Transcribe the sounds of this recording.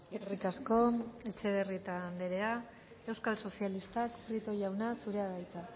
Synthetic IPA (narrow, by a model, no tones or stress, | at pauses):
rikasko̞e̞t͡ʃe̞βerit̪andeɾe̞a | e̞wskalso̞sialist̪akpɾit̪o̞ʝawnasuɾe̞aðajt͡sa